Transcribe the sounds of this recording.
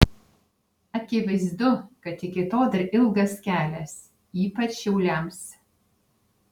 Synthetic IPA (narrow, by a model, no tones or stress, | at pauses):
ɐkʲɪʋɐɪzd̪ʊkɐt̪ɪkʲɪt̪oːd̪ɐɾʔɪlˠɡɐskʲæːlʲɛs | iːpɐt͡ʃʃʲɛʊlʲæms